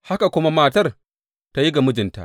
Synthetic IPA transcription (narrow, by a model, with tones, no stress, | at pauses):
ha˦ka˨kʷʊ˦ma˦maː˦tɐ˦r | ta˦ji˦ɡa˨mʊ˦d͡ʒɪ˨nta̰˦˨ʔ